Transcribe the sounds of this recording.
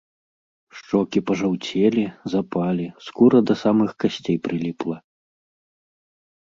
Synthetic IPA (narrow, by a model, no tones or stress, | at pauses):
ʂt͡ʂɔkʲipɐʐawt͡sʲelʲizapalʲiskuɾɐd̪ɐsamɨxkasʲt͡sʲejpɾɨlʲiplˠɐ